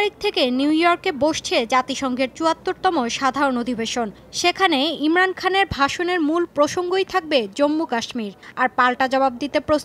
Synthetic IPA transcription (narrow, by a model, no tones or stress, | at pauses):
ɾik̚t̪ʰekenuwjɔɾkeboʃt͡ɕʰed͡ʑat̪iʃɔŋɡʱeɾt͡ɕuat̪ːoɾt̪ɔmoʃad̪ʱaɾonod̪ʱibeʃon | ʃekʰaneimɾankʰaneɾbʱaʃoneɾmulpɾoʃoŋɡojt̪ʰak̚bed͡ʑomːukaʃmiɾaɾpalʈad͡ʑɔbab̚d̪it̪epɾos